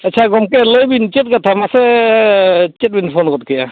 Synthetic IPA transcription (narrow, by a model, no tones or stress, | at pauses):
ətːt͡ʃʰaɡɔmkɛləjbint͡ʃet̚ɡatʰamasɛ | t͡ʃɛt̚binpʰɔnɡɔt̚kija